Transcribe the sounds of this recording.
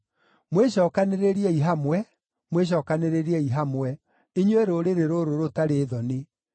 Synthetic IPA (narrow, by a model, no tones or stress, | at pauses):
mweɕɔːkaneɾeɾiɛiɦamwɛ | mweɕ̬ɔːkaneɾeɾiɛiɦamwɛ | iɲweɾoɾeɾeɾoɾoɾotaɾeːðɔne